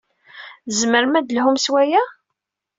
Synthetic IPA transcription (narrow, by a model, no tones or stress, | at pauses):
zməɾmæd̪əlɦʊmswæjæ